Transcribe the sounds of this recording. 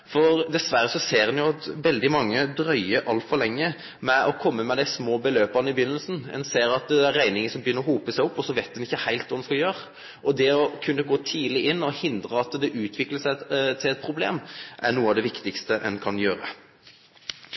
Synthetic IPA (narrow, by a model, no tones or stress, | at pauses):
fɔɾd̪ɛsʋæɾːəsɔseːɾɛnjʊɑt̪ʋɛld̪ɪmɑŋːəd̪ɾœʏəʔɑlt̪fɔlɛŋːə | mɛʔɔkʰɔmːəmɛd̪æɪsmoːbəløːpɑnəɪbjʏnːəlsn̩ɛ̰nseːɾɑt̪d̪ɛɾːæɪnɪŋənsɔmbjʏnəɾɔhuːpəsæɪʊpːɔsɔʋæɪt̪̚d̪ɛnɪçːəhæɪlt̪ʋɑːd̪nskɑljøːɾə | ʔɔd̪ɛɔkʰʉnːəɡoːt̪ʰiːlɪʔɪnːɔhɪnd̪ɾəɑt̪d̪ɛʔʉːt̪ʰʋɪkləsæɪt̪ʰɪlɛt̪̚pʰɾʊblḛːmʔæɳuːəɑʋd̪ɛʋɪkt̪ɪkst̪əʔɛ̰nkʰɑnjøːɾə